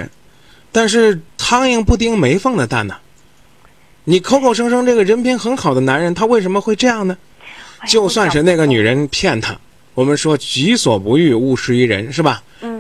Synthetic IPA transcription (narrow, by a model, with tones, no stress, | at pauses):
t̪a˥˧nʂɻ̩˥˩t̪ʰɑ˥ŋi˥˩˧ŋpu˥˧˩t̪̬i˥˩ŋme˧˥ɪfɤ˥˩ŋd̪ə˨˩t̪a˥˩nə˩ | ni˨˩kʰo˥ʊkʰo˥˩ʊʂ̬ɤ˥ŋʂɤ˥ŋʈ͡ʂɤ˥˩ɡə˩ɻə˧˥npi˧˥nxə˧˥nxɑ˨˩ʊd̪ə˦na˧˥nɻə˧˥nt̪ʰa˥we˥˩ɪʂ̬ə˧˥nmə˧xwe˥˧ɪʈ͡ʂɤ˥˧jɑ˥˩ŋnə˩ | t͡ɕjo˥˧ʊswa˥˧nʂ̩˧na˥˩ɡə˩ny˨˩ɻə˧˥npʰjɛ˥˩nt̪ʰa̰˥˩ | wɔ˨˩mə˧˦nʂwɔ˥t͡ɕy˧˥swɔ̰˨˩pu˧˥y˥˧u˥˩ʂɻ̩˥i˥˩ɻə̰˧˥nʂɻ̩˥˩bɐ˩